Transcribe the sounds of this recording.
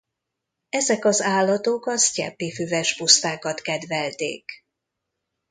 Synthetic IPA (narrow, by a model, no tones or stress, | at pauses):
ɛzɛkɒzaːlːɒt̪o̞kɒscɛ̰pːifyvɛʃpust̪aːkɒt̪kɛd̪vɛlt̪ḛːk